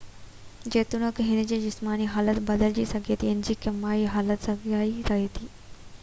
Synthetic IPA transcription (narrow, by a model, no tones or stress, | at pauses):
d͡ʑeːt̪unəkɦɪnə̆d͡ʑiːd͡ʑɪsmaːniɦaːlət̪bɐd̪əld͡ʑisɐɡʱet̪ʰiɪnd͡ʑiːkɐmaːiɦaːlət̪sɐɡʱaːit̪ɐeːt̪ʰiː